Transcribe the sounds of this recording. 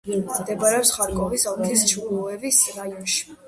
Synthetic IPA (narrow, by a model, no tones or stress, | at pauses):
d̪ɛbaɾɛɔpsχaɾkʼɔvisɔlt̪ʰist͡ʃʰuluɛvisɾajɔnʃi̥